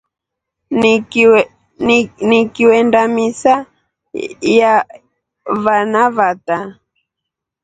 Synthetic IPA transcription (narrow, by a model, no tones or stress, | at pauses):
nikiwɛndamisa | ja | vanavata